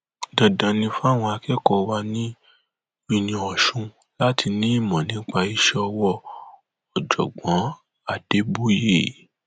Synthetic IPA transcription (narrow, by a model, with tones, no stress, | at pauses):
dɔ˨dã˨˦nĩ˧fa˦˨w̃ɔ̃˧a˧kɛ˦kɔ˧˦wa˧nĩ˦ | wi˦˧nĩ˧ɔ˨ʃũ˧ | la˦tʰi˧nĩ˦i˦˨mɔ̃˨nĩ˨˦k͡pa˧i˧ʃɛ˧˦ɔ˧wɔ˧ | ɔ˨d͡ʒɔ̰˨ɡ͡bɔ̃˨˦ | a˨d̥e˨˦bu˦jḛ˦˨